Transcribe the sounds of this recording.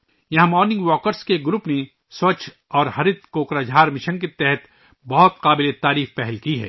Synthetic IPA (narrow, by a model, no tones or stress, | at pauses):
jɐɦãmɔːɾnɪ̃ŋɡʋɔːkəɾskeɡɾʊpne | sʋɐt͡ʃʰ | ɔːɾɦɐɾɪt̪̚koːkɾad͡ʒʱɦaːɾmɪʃə̃nket̪ɛɦɛt̪ | bɔɦʊt̪qaːbɪlet̪aːɾiːfpɛɦɛlkiɦɛ̰ː